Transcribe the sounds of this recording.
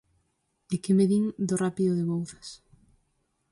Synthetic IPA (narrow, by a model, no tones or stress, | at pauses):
ekɪmeðiŋd̪orapiðʊðeβowθɐ̥s